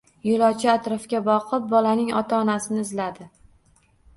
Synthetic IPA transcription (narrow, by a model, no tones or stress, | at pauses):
jolˠɒt͡ʃʰɪat̪ɾɒfkʲabɒqʰɨp̚bɒlanɪŋɒ̰t̪ʰaːnasɪnɪɪzlad̪ɪ